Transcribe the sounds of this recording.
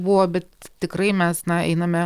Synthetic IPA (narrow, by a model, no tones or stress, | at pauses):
buʋoːbʲɛt̪t̪ʲɪkrɐɪmʲɛsnɐɛ̰ɪnɐmʲɛ